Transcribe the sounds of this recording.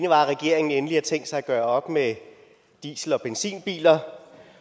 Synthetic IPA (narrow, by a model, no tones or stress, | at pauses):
nəʋɑ̈ʁɛɡ̥e̝ɐe̝ŋn̩enəliæt͡sʰeŋ̰ɡ̥sɑ̈ɪæɡ̥ɶːɐɒ̽b̥me | d̥ḭːsl̩ɒ̽b̥ensḭːnb̥ḭːlɐ